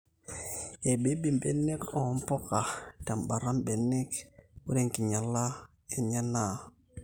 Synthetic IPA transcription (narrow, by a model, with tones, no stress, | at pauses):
e˨be˦bi˨mbe˨ne˦ko˨mpɔ˦ka˨ta˨mba˨ɾa˦mbe˨nːe˦ku˦ɾe˨ŋki˨ɲa˨la˦ | e˨ɲa˦na˦˨